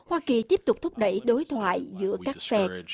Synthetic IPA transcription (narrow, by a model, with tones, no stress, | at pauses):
hwaː˧ki˨˩t̪i˦˥əp̚t̪ʊ˨˩k͡p̚t̪ʰʊ˦˥k͡p̚ɗə̰˧˩jɗo˨˦jt̪ʰwa̰ː˧˨jzɨ̰˧˥əkaː˦˥k̚fɛ˧˥